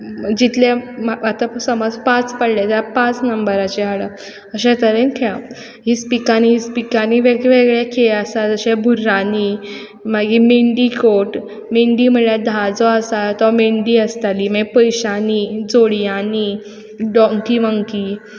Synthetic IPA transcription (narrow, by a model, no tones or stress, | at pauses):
d͡ʑit̪lãat̪asəmɔd͡zpãt͡spəɽlat̪apãt͡snəmbəɾat͡ɕɛɦaɭə | əɕɛ̃t̪əɾenkʰa | ɦiːspikaniɦispikaniʋeɡʋeɡɭjɛkʰeəsat̪əɕɛ̃bʱuɾaniː | maɡimeɳɖikoʈ | meɳɖiːm̤əɭad̪ʱad͡zɔəsat̪ɔmeɳɖiːəst̪aliːmɛ̃ɡpəjɕaniːd͡zoɽjaniː | ɖɔ̃ŋkiʋəŋkiː